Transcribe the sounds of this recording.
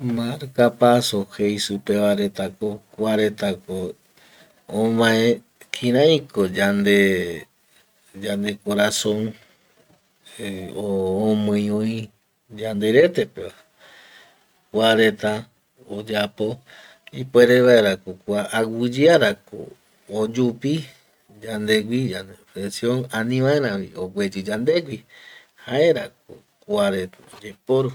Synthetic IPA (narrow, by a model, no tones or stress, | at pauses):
maɾkapasohejsupe̞ʋaɾe̞t̪akokwaɾe̞t̪ako | õmãẽ | kʰĩɾãj̃kod͡ʒand̪e | d͡ʒand̪e̞koɾasõŋ | õːmõj̃õĩ | d͡ʒand̪e̞ɾe̞t̪epeβa | kʷaɾet̪a | od͡ʒapo | ipoeɾeβaeɾakokʷaʔawɨd͡ʒiaɾako̰ | od͡ʒupi | d͡ʒand̪eɡʷid͡ʒanefɾesjõŋãnĩʋãeɾãβḭoɡʷed͡ʒɨd͡ʒand̪eɡʷi | haeɾak̚o̰ | kuaɾet̪od͡ʒepoɾo